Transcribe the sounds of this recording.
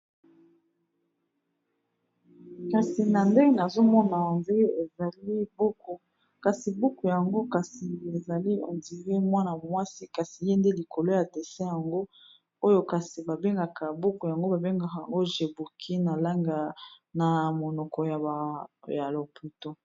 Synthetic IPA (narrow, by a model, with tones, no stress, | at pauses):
ka˨si˨na˨nde˦ŋɡe˦˨na˨zo˦mɔ˦na˨nde˦e˨za˨li˦bo˦ko˨ | ka˨si˨bu˦ku˨ja˨ŋɡo˦ka˨si˨e˨za˨li˦o̰˨ndi˨ve˦mwa˦na˨mo˨mwa˦si˦ka˨si˨je˦nde˦li˨kʰo˨lo˦ja˨de˨sɛ˦ja˨ŋɡo˦ | o˦jo˦ka˨si˨ba˨be˦ŋɡa˨ka˨bu˦ku˨ja˨ŋɡo˦ba˨be˦ŋɡa˨ka˨a˨ŋɡo˦ʒe˨bu˨kʰi˦na˨la˦ŋɡa˨na˨mo˨nɔ˨kɔ˨ja˨ja˨lo˨pʰu˨to˨